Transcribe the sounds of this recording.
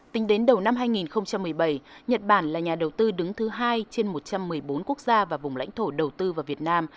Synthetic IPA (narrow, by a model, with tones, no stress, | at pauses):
t̪ï˨˦ŋ̟ɗe˨˦nɗə˨˩wna˧mɦaː˧jŋi˨˩nxə˧wŋ͡mt͡ɕa˧mːɨ˨˩əjɓə˧˩jɲə˨˩t̚ɓaː˧˩nlaː˨˩ɲaː˨˩ɗə˨˩wt̪ɨ˧ɗɨ˨˦ŋt̪ʰɨ˨˦ɦaː˧jt͡ɕe˧nmo˨˩t̚t͡ɕa˧mːɨ˨˩əjɓo˨˦nku˦˥ək̚zaː˧vaː˨˩vʊ˨˩ŋ͡mla̰˧˥jŋ̟t̪ʰo˧˩ɗə˨˩wt̪ɨ˧vaː˨˩wvi˨˩ət̚naː˧m